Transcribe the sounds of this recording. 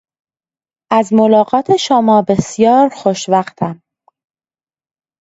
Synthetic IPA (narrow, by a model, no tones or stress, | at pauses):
ʔæzmolɒːɢɒːt̪ʰe̞ʃomɒːbe̞sjɒːɾxoʃvæxt̪ʰæm